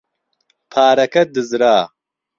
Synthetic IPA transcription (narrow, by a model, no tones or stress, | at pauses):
pʰaːɾɐkɐd̪ɨzɾaː